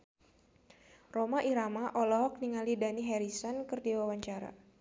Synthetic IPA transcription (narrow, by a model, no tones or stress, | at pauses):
romaʔiɾamaʔɔlɔɦɔk̚niŋalidaniɦɛɾisɔnkɨrdiwawaɲt͡ʃaɾa̰